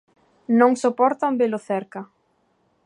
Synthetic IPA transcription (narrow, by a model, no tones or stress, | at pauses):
nõŋsopɔɾt̪ambelʊθɛɾka